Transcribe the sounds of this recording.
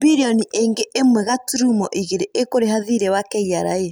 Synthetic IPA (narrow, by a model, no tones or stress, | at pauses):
biɾiɔniʔeŋɡeʔemwɛɣatuɾumɔʔiɣeɾeʔekoɾeɦaðiɾɛwakɛiaɾa̰e